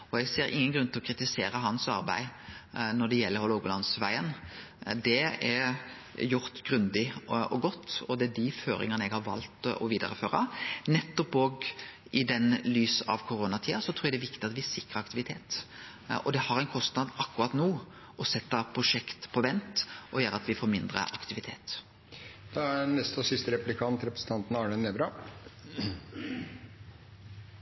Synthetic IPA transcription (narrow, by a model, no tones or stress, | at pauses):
ɔɛɡseːɾɪ̰ŋːənɡɾʉnt̪ɪlɔkʰɾɪt̪ɪseːɾəɦɑnsɑ̰ɾbæ̰ɪnɔɖɛjɛlːəɾhɔloɡʊlɑnsʋæɪən | d̪ɛɛ | jʊɾt̪ɡɾʉnd̪ɪɔɡɔt̪ːɔd̪ɛæd̪iføːɾɪ̰ŋənəɛɡhɑɾʋɑ̰lt̪ɔ̰ʋiːd̪ə̰ɾəføːɾənɛt̪ːɔpoːɡ | ɪd̪ɛnlyːsɑ̰ʋkʰʊɾoːnɑt̪ʰiːɑsɔt̪ʰɾuːɛæd̪ɛʋɪkt̪ɪɑt̪ʋɪsɪkɾəɑkt̪ɪʋɪt̪ʰeːt̪ | ɔd̪ɛhɑɾɛɪnkʰɔst̪nɑd̪ɑkːʉɾɑt̪nuː | ɔsɛt̪ːəpʰɾʊʂɛkt̪pʰɔʋɛnt̪ʔɔjæːɾəɑt̪ʋɪfoːɾmɪnd̪ɾə̰ʔɑkt̪ɪʋɪt̪ʰḛːt̪ | d̪̥ɛænɛst̪ɔsɪst̪əɾɛplɪkʰɑnt̪ɾɛpɾəsn̩t̪ɑnt̪n̩ɑːɳəneːʋɾɑ